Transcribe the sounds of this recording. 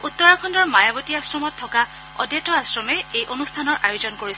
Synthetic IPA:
ut̪ːɔɹakʰɔndɔɹmajabotiasɹɔmɔtʰːɔka | ɔ̰djɛtɔasɹɔmɛejʔonustʰanɔɹʔajozɔnkoɹis

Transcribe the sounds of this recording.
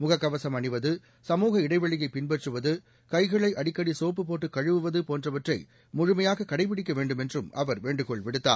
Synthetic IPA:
mʊɣɐkːɐʋɐsɐmɐɳɪʋɐðɯ | sɐmuːɣɐɪɽɐɪʋɐɭɪjɐɪpɪnbɛʈrɯʋɐðɯ | kɐɪɣɐɭɐɪʔɐɽɪkːɐɽisoːp̬ːɯpoːʈːɯkːɐɻɯʋɯʋɐðɯpoːndrɐʋɐʈrɐɪ | mʊɻʊmɐjaːɣɐkːɐɽɐɪpɪɽɪk̬ːɐʋeːɳɖɯmɛndrɯmʔɐʋɐɾʋeːɳɖɯkɔɭʋɪɽɯt̪ːaː

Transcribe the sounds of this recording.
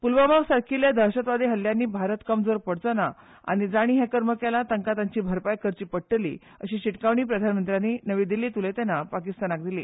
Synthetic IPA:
pulʋəmaɡsaɾkʰiljad̪ʱəɾɕət̪ʋad̪ʱeɦəljanːiːbʱaɾət̪kəmd͡zoɾpəɽ̤t͡səna | a̰ɽ̃id͡zaɽ̃iːɦɛ̃kəɾməkjalat̪əŋkat̪aɲt͡ɕiːbʱəɾpajkəɾt͡ɕiːpəɽʈəlḭː | əɕiːɕiʈkaʋɳ̃iːpɾəd̪ʱanmənt̪ɾjanːiːnəʋiːd̪ilːiːt̪ulet̪ɛnːapakist̪anak̚d̪ilḭː

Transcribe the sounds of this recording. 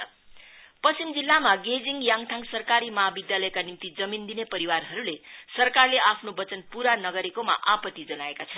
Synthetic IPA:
pʌst͡simd͡zilːamaɡed͡ziŋɡjaŋt̪ʰaŋsʌrkaɾimʌɦabid̪jalʌjkanimt̪id͡zʌmind̪inepʌɾiwarɦʌɾulesʌrkarleʔapʰnobʌt͡sʌnpuɾanʌɡʌɾekoma̰ʔapʌt̪id͡zʌnaekat͡sʰʌn

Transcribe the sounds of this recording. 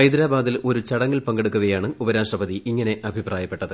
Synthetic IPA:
ɐjd̪ɾaːbaːd̪ilo̞ɾut͡ɕɐɽɐŋːilpɐŋɡeɽukːuɣɐjaːɳɨubɐɾaːʂʈrɐbɐðiʔiŋːɐne̞ʔɐbʱipraːjɐpːe̞ʈːɐðɨ

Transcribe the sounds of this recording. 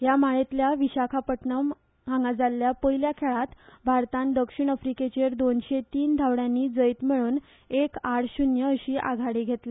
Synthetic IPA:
jamaɭet̪ljaʋiɕakʰapəʈɳəm | ɦãŋɡad͡zalːjapəjljakʰeɭat̪bʱaɾt̪ãnd̪əkʂiɳəfɾiket͡ɕeɾd̪onɕet̪iːnd̪ʱawɽjãnːiːd͡zəjt̪miɭuːn | ekaɽɕunjəəɕiːʔa̰ɡʱaɽiɡʱet̪le

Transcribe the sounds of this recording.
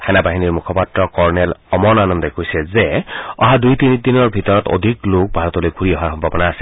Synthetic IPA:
tʰanabaɦiniɹmukʰɔpatɹɔkɔɹnɛlɔmɔnanɔndɔkojsɛzɛɔ̰ɦadujt̪init̪inɔɹbʱit̪ɔɹɔt̪o̰d̪ʱiklok̚bʱaɹɔt̪ɔlojɡʱuɹiɔɦaɹxɔmbʱabɔnaːsil

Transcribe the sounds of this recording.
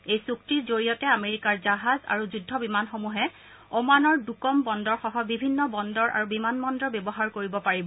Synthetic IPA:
ejsuk̚tiɹzoɹijɔtɛameɹikaɹzaɦaza̰ɹuzudʱːɔbimanxomuɦɛ | omanɔɹdukɔmbɔndɔɹxɔɦɔbibʱinːɔbɔndɔɹʔa̰ɹubimanmɔndɔɹbebɔɦaɹkoɹibɔpaɹibɔ

